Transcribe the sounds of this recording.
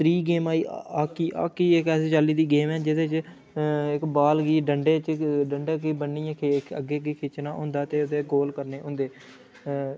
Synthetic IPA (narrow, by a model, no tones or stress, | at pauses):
t̪ɾiːɡeːmaːiːaːkiːʔa̰ːkiːɪkɛːseːt͡ʃaːliːd̪iːɡeːmɛːd͡ʒɪd̪eːt͡ʃ | ɪkbaːlɡiːɖəɳɖeːt͡ʃɖəɳɖeːkiːbəɳːiːãːkʰeəɡeːɡiːkʰɪːt͡ʃnãːɦʊ̰̃ːnd̪aːt̪eːʊd̪eːɡoːlkəɾneːʊ̃ːnd̪eː